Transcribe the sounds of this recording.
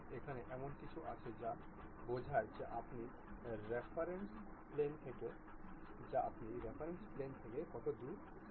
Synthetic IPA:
ekʰaneʔɛmonkit͡ɕʰuʔa̰t͡ɕʰed͡ʑa | bod͡ʑʱajd͡ʑeʔapni | ɾepʰaɾensplent̪ʰeke | d͡ʑaapniɾepʰaɾensplent̪ʰekekɔt̪od̪u

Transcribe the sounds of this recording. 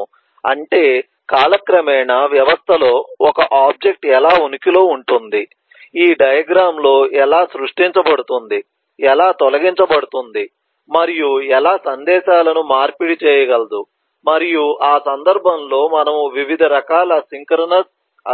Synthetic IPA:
ɐ̰ɳʈe̞ː | kaːlɐkɾɐmɛːnɐʋjɐʋɐst̪ʰɐlo̞ːɔkɐʔaːb̚d͡ʒe̞k̚ʈɛlaːunikilo̞ːuɳʈund̪i | iːɖɐjɐɡɾaːmlo̞ːʔɛlaːsɾuʂʈiɲt͡ʃɐbɐɽut̪und̪i | ɛlaːt̪ɔlɐɡiɲt͡ʃɐbɐɽut̪und̪i | mɐɾijuɛlaːsɐnd̪ɛːʃaːlɐnumaːɾpiɽit͡ʃɛːjɐɡɐlɐd̪u | mɐɾijuʔaːsɐnd̪ɐɾbʱɐmlo̞ːmɐnɐmuʋiʋid̪ʱɐɾɐkaːlɐsiŋkɐɾɐnɐs

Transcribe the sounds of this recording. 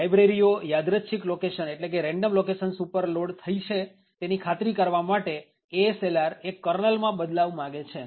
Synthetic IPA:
ajbɾeɾijojad̪ɾəʃʰiklokeʃəneʈlek̬eɾɛ̃ɳɖəmlokeʃənsupəɾloɖt̪ʰəit͡ʃʰe | t̪enikʰat̪ɾikəɾʋamaʈe | eselaɾekːəɾnəlmãbəd̪laʋmãɡet͡ʃʰe

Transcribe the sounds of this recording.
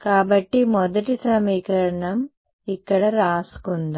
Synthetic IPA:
kaːbɐʈːimɔd̪ɐʈisɐmiːkɐɾɐɳɐm | ikːɐɽɐɾaːsu̥kund̪ɐ

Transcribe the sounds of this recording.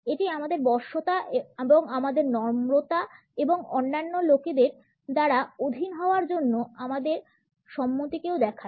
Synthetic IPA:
eʈiamad̪eɾbɔɾʃot̪aeeboŋamad̪eɾnɔɾmɾot̪a | eboŋonːanːoloked̪eɾ | d̪aɾaod̪ʱinɦɔoaɾd͡ʑonːoamad̪eɾ | ʃɔmːot̪ikewd̪ɛkʰa

